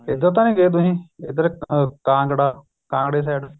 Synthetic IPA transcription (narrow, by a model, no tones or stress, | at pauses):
ed̪ət̪̬ãːnĩːɡeːd̪ũɦĩːɪd̪əɾkãːŋɡɽaː | kãːŋɡɽeːs̬ɛːɖ